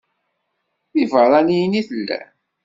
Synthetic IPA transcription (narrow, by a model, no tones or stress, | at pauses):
θivəɾˤɑnijniθəlːæ̰